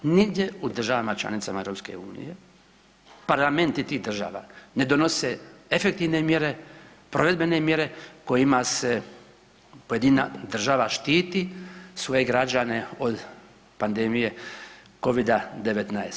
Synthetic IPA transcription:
niɡd̪je̞ud̪r̩ʒaʋamat͡ʃla̰nit̪samae̞vɾo̞pske̞̰uːnḭje̞ | paɾlˠame̞nt̪it̪iːɣd̪r̩ʒa̰ːʋa̰ne̞d̪ono̞seefek̚t̪iʋne̞mje̞ɾe̞ | pɾo̞ʋe̞d̪be̞ne̞mje̞ɾe̞ko̞jimase | pojed̪inad̪r̩ʒaːʋaʃt̪iːt̪isʋo̞je̞ɡɾad͡ʒane̞od̪ | pand̪e̞mije̞ | ko̞ʋid̪ad̪e̞ʋet̪naes

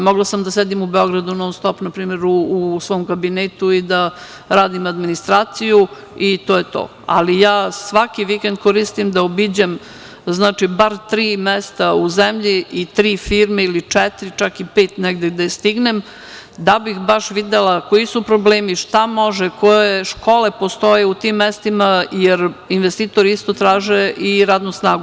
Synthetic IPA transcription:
moɡlasamd̪ased̪imubeo̞ɡɾad̪unoːst̪o̞pnapɾiːme̞ɾuːsʋoːmkabineːt̪uid̪a | ɾaːd̪imad̪minist̪ɾaːt̪siju | it̪oːjet̪o̰ː | a̰lijaːsʋakiʋikend̪̚koɾist̪imd̪aobid͡ʑem | znaːt͡ʂibaɾt̪ɾiːmɛst̪auzemʎiːt̪ɾiːfiːɾmeilit͡ʂɛt̪ɾit͡ʃakipeːt̪neɡd̪ed̪aist̪iɡnem | d̪abixbaʃʋid̪elakoisupɾobleːmiʃt̪amo̞ʒekojeʃkolepo̞st̪o̞jeut̪imːest̪imajeɾinʋest̪iːt̪oɾiist̪o̞t̪ɾaːʒeʔiɾaːd̪nusnaːɡu

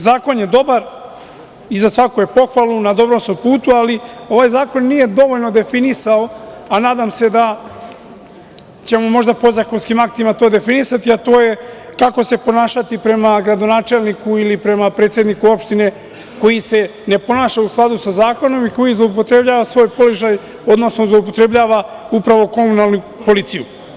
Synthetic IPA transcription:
zaːko̞nje̞d̪o̞baɾ | izasʋakoje̞po̞xʋalˠunad̪o̞bɾomsnompuːt̪ualio̞ʋaːjzaːko̞nːije̞d̪o̞ʋo̞ʎno̞d̪e̞finisaoanaːd̪amse̞d̪a | t͡ɕe̞mo̞mo̞ʒd̪apo̞zako̞nskimak̚t̪imat̪o̞ːd̪e̞finisat̪iat̪o̞ːje̞kako̞se̞po̞naːʃat̪ipɾe̞maɡɾad̪o̞naːt͡ʃe̞lnikuilipɾe̞mapɾe̞ːt̪sjed̪nikuo̞pʃt̪ine̞ | ko̞jisene̞po̞naːʃausklˠad̪usazaːko̞no̞miko̞jizlˠoupo̞t̪ɾe̞bʎaːʋasʋo̞ːjpo̞loʒaj | od̪no̞snozloup̬o̞t̪ɾe̞bʎaːʋaupɾaʋo̞ko̞munalˠnu | po̞lit̪sijṵ

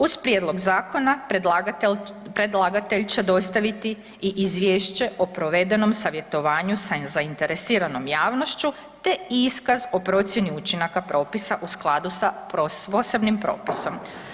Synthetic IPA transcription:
uzpɾjed̪lo̞ɡzaːko̞na | pɾe̞d̪lˠaɡat̪eʎt͡ɕe̞d̪o̞st̪aʋit̪i | iʔizʋjeːʃt͡ɕe̞ʔo̞pɾo̞ʋe̞d̪e̞no̞msaʋje̞t̪o̞ʋaːɲusazaint̪e̞ɾesiːɾano̞mjaːʋno̞ʃt͡ɕu | t̪e̞iskazo̞pɾo̞t̪sʲje̞niut͡ɕinakapɾo̞ːpisaʔusklˠad̪usapɾopose̞bnimpɾo̞̰ːpiso̞m

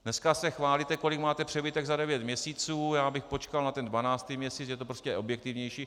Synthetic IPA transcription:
nɛskasɛxvaːlit̪ɛko̞lɪkmaːt̪ɛpr̥ɛbɪt̪ɛɡzadɛvjɛt̪mɲɛsiːt͡suːjaːbɪxpo̞t͡ʃkalnat̪ɛndvanaːt͡st̪imɲɛsiːt͡sjɛt̪o̞pɾoscʲɛʔo̞bjɛk̚t̪ɪvɲɛjʃiː

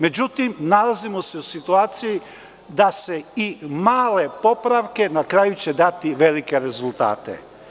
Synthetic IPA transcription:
me̞d͡ʑut̪imnalazimose̞usit̪uaːt̪siji | d̪ase̞imaːle̞po̞pɾaʋke̞nakɾaːjut͡ɕed̪at̪iʋelike̞ɾe̞zulˠt̪a̰ːt̪ḛ

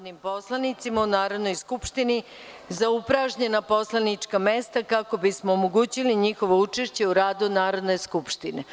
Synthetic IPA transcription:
d̪nimpo̞slˠanit̪simaunaːɾod̪no̞jskupʃt̪ini | zaupɾaʒɲe̞napo̞slanit͡ʂkamest̪akako̞bismoːmoɡuːt͡ɕiliɲixo̞ʋo̞ut͡ʂeʃt͡ɕe̞uɾaːd̪unaːɾo̞d̪ne̞skupʃt̪ine

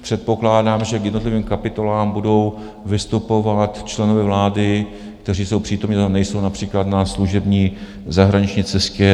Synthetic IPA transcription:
pr̥ɛt̪̚po̞klaːdaːmʒɛkjɛdno̞t̪lɪviːmkapɪt̪o̞laːmbudo̞w | vɪst̪upo̞vat̪t͡ʃlɛno̞vɛvlaːdɪ | k̚t̪ɛr̝iːso̞wpr̝̥iːt̪omɲiːanɛjso̞wnapr̥iːklat̪nasluʒɛbɲiː | zaɦɾaɲɪt͡ʃɲiːt͡sɛscɛ

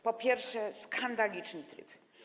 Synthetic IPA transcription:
pɔpʲjɛɾfʂɛskʰand̪alʲit͡ʂnɨt̪ɾɨ̰p

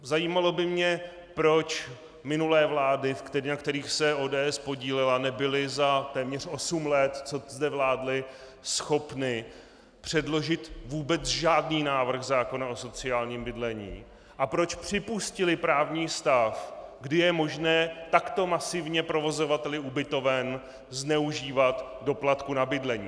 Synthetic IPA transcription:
zajiːmalo̞bɪmɲɛ | pɾo̞t͡ʃ | mɪnulɛːvlaːdɪfkt̪ɛnakt̪ɛɾiːxsɛʔo̞ːdɛːʔɛspo̞ɟiːlɪlanɛbɪlɪzat̪ɛːmɲɛr̝̥ʔo̞sumlɛt̪t͡so̞zdɛvlaːdlɪ | sxo̞pnɪ | pr̝̥ɛdlo̞ʒɪt̪vuːbɛt͡sʒaːdniːnaːvr̩xzaːko̞naʔo̞so̞t͡sɪaːlɲiːmbɪdlɛɲḭː | ʔapɾo̞t͡ʃpr̝̥ɪpuscɪlɪpɾaːvɲiːst̪afɡdɪjɛmo̞ʒnɛːt̪akt̪o̞masɪvɲɛpɾo̞vo̞zo̞vat̪ɛlɪubɪt̪o̞vɛn | znɛuʒiːvat̪do̞plat̪kunabɪdlɛɲiː

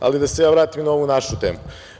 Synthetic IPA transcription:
a̰lid̪ase̞jaːʋɾaːt̪imnao̞ʋunaʃut̪eːmu

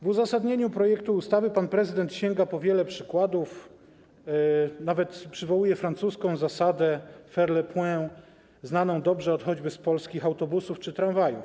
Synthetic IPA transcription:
vuzasad̪ɲeɲupɾɔjɛkt̪uːst̪avɘpanpɾɛzɘd̪ɛnt̪ɕɛŋɡapɔvʲjɛlɛpʂɘkwad̪uf | navɛt̪pʂɘvɔwujɛfɾant̪suskɔ̃w̃zasad̪ɛfɛɾlɛpwɛ̃ | znanɔ̃w̃d̪ɔbʐɛɔt̪xɔd͡ʑbɘspɔlskʲixawt̪ɔbusuft͡ʂɘt̪ɾanvajuf

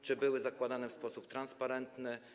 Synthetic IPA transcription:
t͡ʂɘbɘwɘzakwad̪anɛfspɔsupt̪ɾanspaɾɛnt̪nɘ

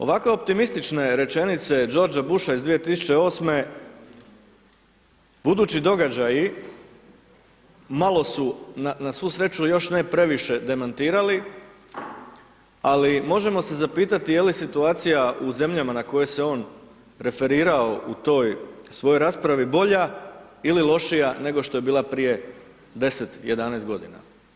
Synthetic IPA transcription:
o̞̰ʋakʋe̞o̞p̚t̪imist̪it͡ʃne̞ɾe̞t͡ʃe̞nit̪se̞d͡ʒo̞ɾd͡ʒabuʃaizd̪ʋije̞t̪isut͡ʃe̞o̞ːsme̞ | b̥ud̪uːt͡ɕid̪o̞ɡad͡ʑaji | malˠo̞sunanasʋuːsɾe̞t͡ʃujo̞ʃnepɾe̞ʋiʃe̞d̪e̞mant̪iːɾali | alimo̞ʒe̞mo̞se̞zapiːt̪at̪ijelisit̪uaːt̪sijaʔuze̞mʎamanako̞je̞se̞o̞ːn | ɾe̞fe̞ɾiːɾao̞ʔut̪o̞ːjsʋo̞jojɾaːspɾaʋibo̞ʎa | ililˠo̞ʃijane̞ɡo̞ʃt̪o̞je̞biːlˠapɾije̞ | d̪e̞se̞t̪je̞d̪anɛjst̪̚ɡo̞d̪ḭna̰

